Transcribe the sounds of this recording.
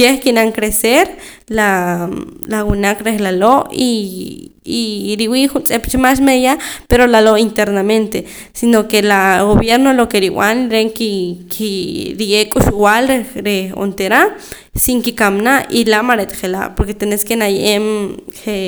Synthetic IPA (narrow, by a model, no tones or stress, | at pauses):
eχkinaŋkɾeseɾ | la | lawinakɾexlaloʔi | iɾiwixunt͡sʼept͡ʃemas̬meðjapeɾolaloint̪eɾnament̪e | sinokelaɣoβjeɾnolokeɾiw̰anlɾeŋkikʰiɾijekʼuʃuwalɾeɾeo̰nt̪eɾa | siŋkikamnaʔilamaɾet̪χela̰ʔpoɾket̪eneskenajemhe